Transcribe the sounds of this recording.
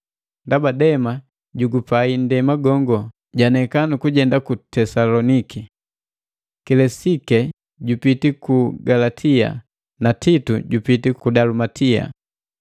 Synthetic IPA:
ndabadɛma | ɟuɡupaindɛmaɡɔŋɡɔ | ɟanɛkanukuɟɛndakutɛsalɔniki | kɛlɛsikɛ | ɟupitikuɡalatʰia̰ | natituɟupitikudalumatia̰

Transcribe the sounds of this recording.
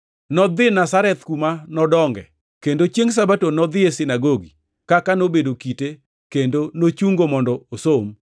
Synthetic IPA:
nɔd̪ɪnasaɾɛt̪kumanɔdɔŋɡɛ | kendot͡ʃjeŋs̬abatonɔd̪ɪesɪnaɡoɡi | kakanobedokite | kendonot͡ʃuŋɡomɔndɔosom

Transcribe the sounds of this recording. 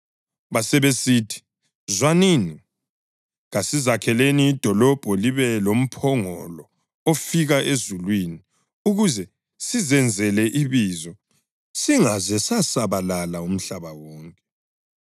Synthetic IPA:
βasɛβesitʰi̥ | zwanini | ɣasizakʰɛleniːd̥ʱɔlɔb̥ʱɔliβɛlom̩pʰɔŋɔlɔ | ofiɣaʔezulwini | uɣuzɛ | sizɛnd͡zʱɛlɛʔiβizɔ | siŋazɛsasaβalalaum̩ɬaβawɔːŋkʼɛ

